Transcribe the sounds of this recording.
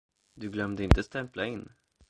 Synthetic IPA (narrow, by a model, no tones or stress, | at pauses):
d̪ɵɡlœmd̪əɪnt̪əst̪ɛmplaɪnː